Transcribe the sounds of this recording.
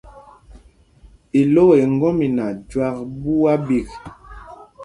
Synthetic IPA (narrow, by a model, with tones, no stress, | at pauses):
i˨lo˦e˨ŋ˦ɡɔ˦mi˨na˨d͡ʒwa˦kbu˦wa˦bi˨k